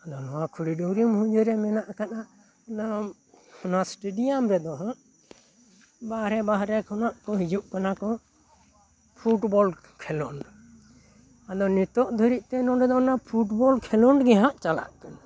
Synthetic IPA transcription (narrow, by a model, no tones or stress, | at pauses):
ad̪ɔnɔwakʰuɽiɖuɾimhũd͡ʒɔɾɛmɛnaʔkanaʔ | nɔ | hɔnasʈeɖijamɾɛd̪ɔɦaʔ | bahɾɛbaɦɾɛkɔnaʔkɔɦid͡ʒuʔkanakɔ | pʰuʈbɔl | kʰɛlɔn | ad̪ɔnit̪ɔʔd̪ʱuɾiʔt̪ɛnɔ̃ɾɛd̪ɔnapʰuʈbɔlkʰɛlɔnɖɡɛɦaʔt͡ʃala̰ʔkana